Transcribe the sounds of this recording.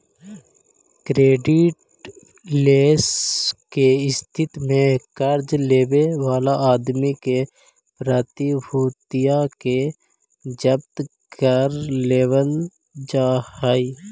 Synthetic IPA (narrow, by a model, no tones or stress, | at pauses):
kɾeːɖɪʈ | leːskeɪst̪ʰɪt̪mẽkəɾd͡ʒleːwewaːlaaːd̪mike | pɾət̪ibʱuːt̪ijake | d͡ʒəb̚t̪ | kəɾleːwəl | d͡ʒaːhaːi